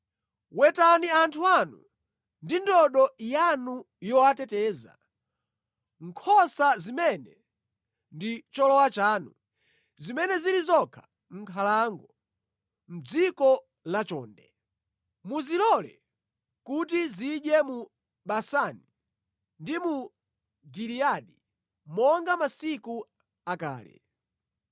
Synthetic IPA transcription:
wɛtaniantʰuanṵ | ndindɔɗɔjanu | jɔatɛtɛːza̰ | ŋ̩kʰɔsazimɛnɛ | ndit͡ʃɔlɔwat͡ʃaːnu | zimɛnɛzilizɔkʰḁ | ŋ̩kʰalaŋɡɔ | m̩d͡zikɔ | lat͡ʃɔ̰ːndɛ | muzilɔlɛ̰ | kutiziɗjɛmu | ɓasani | ndimu | ɡiliaɗi | mɔŋɡamasiku | aka̰ːlɛ̰

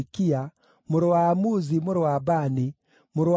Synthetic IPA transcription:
kia | muɾwamuzimuɾwabani | muɾw

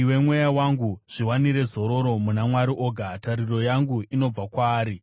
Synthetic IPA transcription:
we̞mwe̞jawaŋɡuʐ̥iwaniɾe̞zo̞ɾo̞ɾo̞munamwaɾiʔo̞ːɡʱataɾiro̞jaŋɡuino̞b͡vakwaːɾi

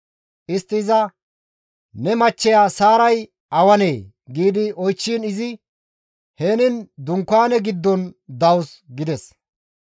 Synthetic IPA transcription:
ʔɪst̪ːɪːzɐ | nɛmɐt͡ʃːɛjaːsaːɾɐj | ʔɐwɐne̞ː | ɡiːd̪ɪɔjt͡ʃːiːnɪzɪ | heːnɪnd̪ʊŋkːaːnɛɡɪd̪ːɔnd̪ɐwsɡɪd̪ɛs

